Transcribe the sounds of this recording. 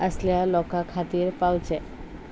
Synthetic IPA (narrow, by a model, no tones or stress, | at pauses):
əsljalɔkakʰat̪iːɾpawt͡sɛ